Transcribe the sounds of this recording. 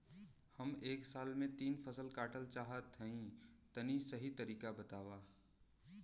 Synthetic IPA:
hɐmeːksaːlmẽt̪iːnpʰəsəlkaːʈəlt͡ʃaːɦət̪ʰːɐĩt̪ɐnisɐɦit̪ɐɾiːkabɐt̪aːwaː

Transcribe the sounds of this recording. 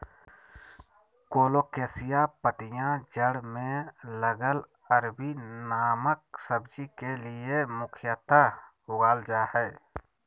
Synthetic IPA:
koːloːkesɪjapəʈɪjãd͡ʒəɽmẽləɡəl | əɾbinaːmək̚səbd͡ʒikelɪjemʊkʰjət̪ahʊɡaːld͡ʒaːhɛː

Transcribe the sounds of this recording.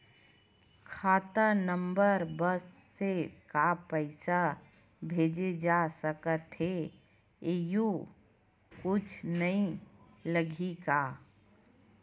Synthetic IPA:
kʰaːt̪ənəmbəɾbəsːekapəɪsa | bʱeːd͡ʒed͡ʒasəkət̪ɦe | eju | kʊt͡ʃʰnəĩ | ləɡʱika

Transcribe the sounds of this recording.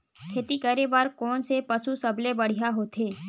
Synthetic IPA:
kʰeːt̪ikəɾebaːɾkɔːnsepəsusɐblebɐɽ̤ijaɦoːt̪ʰɦeː

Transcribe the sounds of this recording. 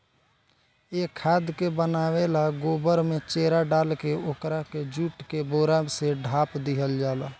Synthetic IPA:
ekʰːaːd̪kebənaːwelaɡoːbəɾmẽt͡ʃeːɾaɖaːlkeoːkɾaked͡ʒuːʈkeboːɾaseɖʱaːpd̪iɦəld͡ʒaːlaː

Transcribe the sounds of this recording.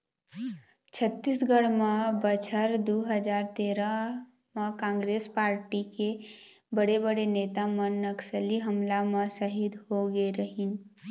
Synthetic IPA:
t͡ʃʰət̪ːisɡəɽməbət͡ʃʰəɾd̪uɦəd͡ʒaːɾt̪eɾə | məkãŋɡɾespaːɾʈike | bəɽebəɽeneːt̪amənːəksəliɦəmlamə̃səɦid̪hoɡeɾəɦin

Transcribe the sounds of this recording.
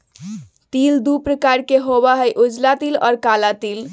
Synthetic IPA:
t̪ild̪upɾəkaɾkeɦobaɦəjʔud͡ʒlat̪ilɔ̰ːɾkalat̪il

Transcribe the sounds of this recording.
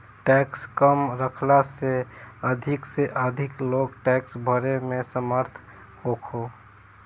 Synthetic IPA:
ʈɛkskəmɾəkʰlaseəd̪ʱikseʔəd̪ʱiklokʈɛksbʱəɾemesəməɾt̪ʰ | hokʰo

